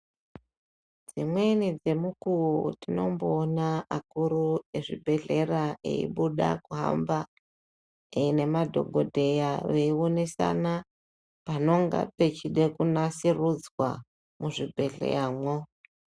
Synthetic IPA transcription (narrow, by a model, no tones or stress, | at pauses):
d͡zimwe̞nid͡ze̞mukuutino̞̰mboːnaakurueʐḭbʱe̞ɮe̞raḛḭɓuɗa̰kuɦa̰mba | eine̞madʱo̞̰ɡʱo̞dʱe̞jaʋeionesa̰na | pano̞ŋɡa̰pe̞t͡ʃiɗe̞kunasirud͡zwa̰ | muʐibʱe̞ɮḛjaːmwo